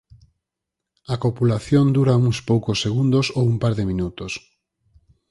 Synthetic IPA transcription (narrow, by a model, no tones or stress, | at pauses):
akopulaθjond̪uɾauŋspowkosːeɣund̪osowumpaɾðɪmĩnut̪os